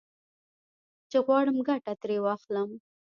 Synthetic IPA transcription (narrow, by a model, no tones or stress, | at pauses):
t͡ʃeɣwɑɽəmɡaʈat̪ɾewɑxləm